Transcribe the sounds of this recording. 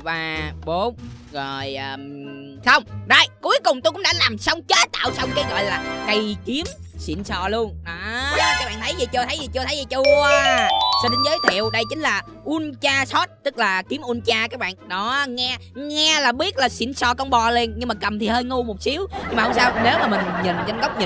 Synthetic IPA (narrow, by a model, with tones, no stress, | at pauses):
vaː˨˩ɓo˨˦m | zo˨˩jəː˨˩sə˧wŋ͡mzɔ̰˧˩jku˨˦jkʊ˨˩ŋ͡mt̪o˧kʊ̰˧˥ŋ͡mɗa̰ː˧˥laː˨˩msə˧wŋ͡mt͡ɕə˨˦˥t̪a̰ː˧˨wsɔ˧wŋ͡mkaː˨˦jɣɔ̰˧˨jlaː˨˩kə˧˩jki˨˦əmsḭ˧˨ənsɔ̰˧˨lu˧ənɗɔ˨˦kaː˦˥k̚ɓaː˧˨t̪ʰjzi˨˩t͡ɕu˧ət̪ʰə˨˦jzi˨˩t͡ɕu˧t̪ʰə˨˦jzi˨˩t͡ɕu˧ə | sɔː˧ɗe˨˦nzəː˨˦jt̪ʰḭ˧˨əwɗə˧jt͡ɕï˦ŋ̟laː˨˩ | ʔu˧ənt͡ɕaː˧sɔ˦˥t̚t̪ɨ˦˥k̚laː˨˩ki˨˦əmʔu˧ənt͡ɕaː˧kaː˦˥k̚ɓa̰ː˧˨nɗɔ˨˦ŋɛ˧ŋɛ˧laː˨˩ɓi˦˥ət̚laː˨˩sḭ˧˥nsɔ̰˧˨kɔ˧wŋ͡mɓɔ˨˩le˧nɲɨ˧ŋmaː˨˩kə˨˩mt̪ʰi˨˩həː˧jŋu˧mo˨˩t̚si˨˦əwɲɨ˧ŋmaː˨˩hə˧ŋ͡msaː˧wne˨˦wmaː˨˩mï˨˩ŋ̟ɲi˨˩nza˧ŋ̟ɣə˦˥wk͡p̚ɲi˨